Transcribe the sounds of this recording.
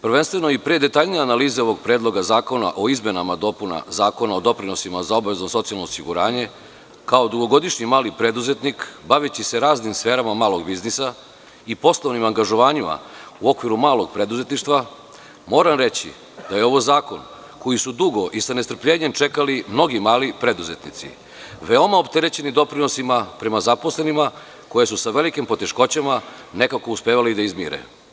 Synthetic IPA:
pr̩ʋenst̪ʋe̞no̞ipɾed̪e̞t̪aʎnijanaliːzeo̞ʋo̞ɡ̚pɾeːd̪lˠo̞ɡazaːko̞na̰ʔo̞izme̞namad̪o̞puna̰zaːko̞nao̞d̪o̞pɾino̞simazao̞bʋe̞znoso̞t̪sialˠnoːsiɡuɾaːɲe̞ | kao̞d̪uɡo̞ɡo̞d̪iʃɲimaːlipɾe̞d̪uze̞t̪nikbaʋet͡ɕise̞ɾaːznimsfe̞ːɾamamaːlˠo̞ɡbiznisa | ipo̞slˠoʋnimaŋɡaʒo̞ʋaːɲima̰uo̞kʋiɾumaːlo̞ɡpɾe̞d̪uze̞t̪niʃt̪ʋa | mo̞ːɾamɾe̞t͡ɕḭ | d̪̥ajeo̞ʋo̞zaːko̞̰n | ko̞jisud̪uɡo̞ʔisane̞st̪r̩pʎeːɲe̞mt͡ʃe̞kalimno̞ɡimaːlipɾe̞d̪uze̞t̪nḭt̪sḭ | ʋe̞o̞maopt̪e̞ɾet͡ɕe̞nid̪o̞pɾino̞simapɾe̞mazaposle̞nima | ko̞jesusaʋe̞likimpo̞t̪e̞ʃko̞t͡ɕamane̞kako̞uspeːʋalid̪aizmḭɾḛ

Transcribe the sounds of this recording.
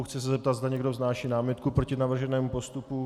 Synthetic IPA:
xt͡sɪsɛzɛp̚t̪ad̪zd̪aɲɛɡdovznaːʃiːnaːmɪt̪kupɾo̞cɪnavr̩ʒɛnɛːmupo̞st̪upu

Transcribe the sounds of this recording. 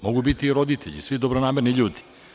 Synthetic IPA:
moɡubit̪iːɾod̪it̪ʰeʎḭsʋid̪obɾonaːmeɾniʎuːd̪i̥

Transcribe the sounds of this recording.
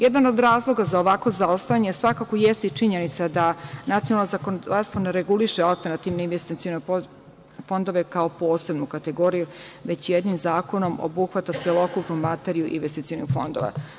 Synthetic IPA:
jed̪ano̞d̪ɾaːzlˠo̞ɡazaoʋakʋo̞zaost̪ajaɲesʋakako̞jest̪it͡ʂiɲe̞nit̪sad̪anat̪ionalnozakonod̪aɾst̪ʋo̞neɾeɡuliʃealˠt̪eɾnat̪iʋnoinʋest̪it̪iono | fo̞nd̪oʋe̞kao̞po̞ːse̞bnukat̪e̞ɡo̞ːɾijuʋe̞t͡ɕjed̪nimzaːko̞no̞mo̰buxʋat̪aselˠo̞kupnumat̪e̞ɾijuʔḭnʋe̞st̪it̪ionixfo̞nd̪o̞̰ʋa̰

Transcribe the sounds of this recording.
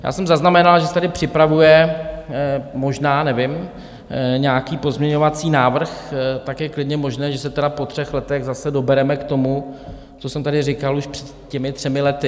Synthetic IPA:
ja̰ːsɛmzaznamɛnalʒɛsɛ̥t̪adɪpr̥ɪpɾavujɛ | mo̞ʒnaːnɛvɪm | ɲaːkiːpo̞zmɲɛɲo̞vat͡siːnaːvr̩xt̪akjɛklɪdɲɛmo̞ʒnɛːʒɛsɛt̪ɛdapo̞t̪r̝̥ɛxlɛt̪ɛɣzasɛdo̞bɛɾɛmɛkt̪o̞mu | t͡so̞sɛmt̪adɪrɪkaluʃpr̥ɛt̪cɛmɪt̪r̝̥ɛmɪlɛt̪ɪ

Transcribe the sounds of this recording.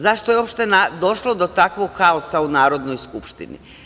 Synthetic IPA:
zaʃt̪ojeo̞pʃt̪enad̪o̞ʃlˠod̪o̞t̪akʋoɡxaosaunaːɾo̞d̪nojskupʃt̪ḭnḭ

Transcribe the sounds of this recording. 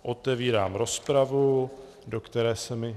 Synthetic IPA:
ʔo̞t̪ɛviːɾaːmɾo̞spɾavu | do̞kt̪ɛɾɛːsɛmɪ

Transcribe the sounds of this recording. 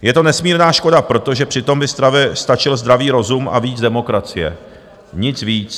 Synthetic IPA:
jɛt̪o̞nɛsmiːɾnaːʃko̞dapɾo̞t̪o̞ʒɛpr̝̥ɪt̪o̞mbɪst̪ɾavɪst̪at͡ʃɪlzd̪ɾaviːɾo̞zumʔa̰viːt͡sdɛmo̞kɾat͡sɪjɛ̰ | ɲɪt͡sviːt͡s

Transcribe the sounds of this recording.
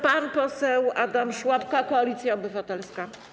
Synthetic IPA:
panpɔsɛwad̪amʂwapkakɔalʲit̪sʲjaɔbɘvat̪ɛlska

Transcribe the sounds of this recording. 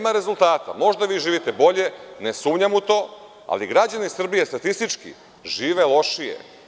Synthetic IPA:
maɾe̞zult̪aːt̪a̰mo̞ʒd̪aʋiːʒiːʋit̪e̞bo̞ʎe̞ne̞suːmɲamut̪o̞ː | a̰liɡɾad͡ʑanisr̩bije̞st̪at̪ist̪it͡ʃkḭ | ʒiːʋe̞lo̞ʃijḛ

